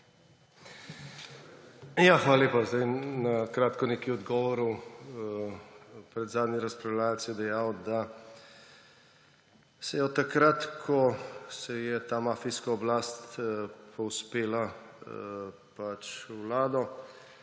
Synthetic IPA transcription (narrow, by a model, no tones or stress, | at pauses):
jaxʋaːlaleːpazd̪ajnakɾaːt̪kɔneːkiɔd̪ɡɔːʋɔɾu | pɾɛd̪zaːd̪nʲiɾɐspɾawlaːlsjɛd̪ɛjaːwd̪a | sɛjɔt̪akɾat̪kʰɔsɛjɛt̪aːmaːfiskaɔblaːst̪pʰɔwspeːla | pat͡ʃwlaːd̪ɔ